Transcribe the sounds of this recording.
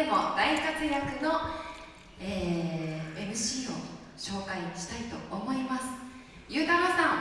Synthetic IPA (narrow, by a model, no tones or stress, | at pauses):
emo̞d̪aikat͡sɨɾʲakɯ̟no̞ | eː | emɯ̟ɕiːo̞ | ɕo̞ːkaiɕi̥t̪ait̪o̞̰ːmo̞imasɨ̥ | jɯ̟ːt̪amasãŋ